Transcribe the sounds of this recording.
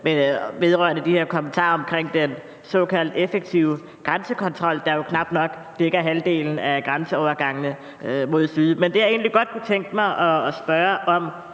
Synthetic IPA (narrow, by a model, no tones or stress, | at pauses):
meʋe̝ð̞ˠʁɶɐnəd̥iheɐ̰kʰɒ̽mənt͡sʰɑ̰̈ːɒ̽mkʰʁeŋ̰d̥en | sɒ̽kʰæl̰d̥efeɡ̥̚t͡sʰiʊ | ɡ̥ʁansəkʰɒ̽nt͡sʰʁɒ̽l̰d̥ɑ̈jo̝kʰnɑ̈b̥d̥nɒ̽ɡ̥ | d̥eɡ̥ɐɦæld̥e̝̰ːln̩æɡ̥ʁansəɒʊɐɡ̥ɑ̈ŋənə | mo̝ð̞̰ˠsyðˠmend̥e̝jae̝̰ːnliɡ̥ɒ̽d̥̚kʰut͡sʰeŋ̰ɡ̥əmɑ̈ɪʔɒsb̥ɶːɐʔɒ̽m